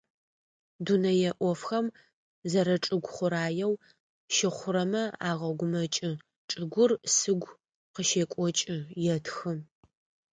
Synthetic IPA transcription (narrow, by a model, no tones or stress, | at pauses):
dunɐjɛʔʷɔfxɐm | zɐɾɐʈ͡ʂʼɨɡʷχʷʊɾaːjɛw | ʃɪχʷʊɾɐmɐaːʁɐɡʷʊmɐt͡ʃʼɪ | ʈ͡ʂʼɨɡʷʊrsɨɡʷ | qəʃeːkʷʼɔt͡ʃʼɪjɛtʰxɨm